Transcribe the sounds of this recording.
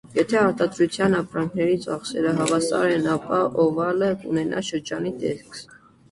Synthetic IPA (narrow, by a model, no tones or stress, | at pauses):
jɛt̪ʰɛɑɾt̪ɑd̪ɾut͡sʰjɑnɑpɾɑŋkʰnɛɾit͡sɑχsɛɾəɦɑvɑsɑ̰ɾɛnɑpɑʔɔvɑləkunɛnʔɑ̰ʃəɾd͡ʒɑnit̪ɛskʰ